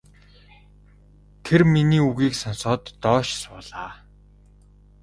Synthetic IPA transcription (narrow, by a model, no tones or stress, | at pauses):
t̪ʰerminiːuɣiːksɔnsɔːt̪ːɔːʃsʊːɮaː